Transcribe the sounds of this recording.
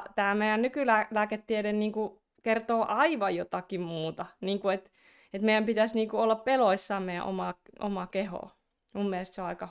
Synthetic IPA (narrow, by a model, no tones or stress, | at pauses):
t̪æːmeijˑænnykylælæːket̪ːieɾenniːŋku | kert̪oːʔɑiʋɑjjot̪ɑkimmuːt̪ɑniːŋkuet̪ | et̪meijæmpit̪æsniːŋkuolːɑppeloisːɑːmmeijæ̰ʔo̰mɑʔo̰mɑkeho̰ˑ | mumːielest̪seoɑikɑ